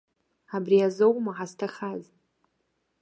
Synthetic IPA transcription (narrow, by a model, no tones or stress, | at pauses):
abriazowmaħaztʰaχaz